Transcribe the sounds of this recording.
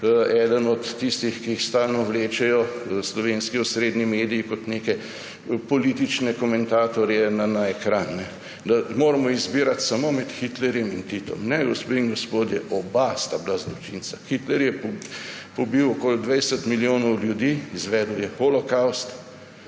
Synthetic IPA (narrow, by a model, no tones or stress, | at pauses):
ɛːd̪ənɔt̪ːist̪ixkiixst̪aːlnɔwleːt͡ʃɛjɔslɔʋeːnskiɔsɾeːd̪nimeːd̪ijikɔt̪neːkɛ | pɔlit̪it͡ʃnɛkɔmɛnt̪aːt̪ɔɾjɛnanaɛkɾanːɛ | d̪amoːɾamɔizbiːɾat̪samomɛt̪xit̪lɛɾjɛmint̪it̪ɔ̰mnɛɡɔspeiŋɡɔspoːd̪jɛʔɔbast̪ablazlɔt͡ʃinsaxit̪lɛɾjɛppɔbiwɔkoːld̪ʋɛjsət̪miljoːnɔwljud̪iːizʋɛːd̪əwjɛxolɔkawst̪